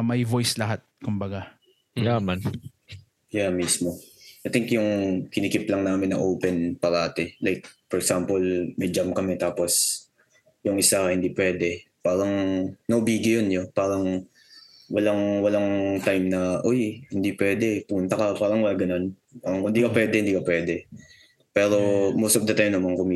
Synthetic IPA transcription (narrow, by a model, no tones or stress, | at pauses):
mɐjvojslɐɦat̪̚kʊmbɐɡa | jamɐn | jamismoʔɐjt̪ɪŋkjʊŋkɪnikɪplɐŋnaːmɪnːɐ̰ʔowpɛnpɐɾaːt̪ɛlajk̚fɔɹɛksampolmɐjd͡ʒamkɐmɛt̪aːpos | jʊŋʔɪsahɪnd̪ipwɛːd̪ɛ | paːɾɐŋnɐʔʊbiːɡɐjonjopaːɾɐŋ | wɐlaŋwɐlaŋt̪ajmnɐʔojhɪnd̪ipwɛd̪ɛpʊmʊnt̪ɐkɐpaːɾɐŋwɐlaɡɐnon | paːɾɐŋkʊnd̪iːkɐpwɛd̪ɛhɪnd̪iːkɐpwɛːd̪ɛ | pɛːɾo̞mowst̪ofd̪ɐt̪ajmnɐmankʊmi